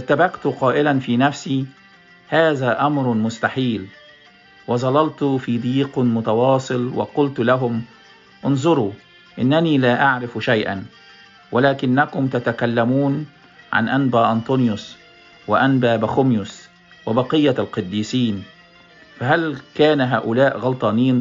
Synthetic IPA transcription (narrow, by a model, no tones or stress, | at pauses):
t̪ːabæqt̪qɑːʔɪlænfiːnæfsiː | haːðæːʔɑmɾmʊst̪aħiːl | wɑzˤɑlɑlt̪fiːd̪iːqmʊt̪ɑwɑːsˤɨlwɪ̰qʊlt̪læɦʊm | ʔʊnzˤʊɾuː | ʔɪnːæniːlaːʔaʕɾɪfʃæjʔæ̰n | wɪlaːkɪnːækʊmt̪at̪akalːæmuːn | ʕa̰nʔanbæːʔɑnt̪ˤonjʊs | wɪʔænbæːbæxʊmjʊs | wɪbɑqɨjːalqɑd̪ːiːsiːn | fæɦælkæːnɦaːʔʊlæːʔɣɑlt̪ˤɑːniːn